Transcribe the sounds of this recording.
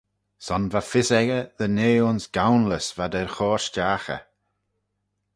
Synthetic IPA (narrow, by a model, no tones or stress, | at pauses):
sɔnvafɪsɛɡəðəneːʊnsɡ̥awnləsvadɛɹxɔːɹʃd͡ʒaːxə̰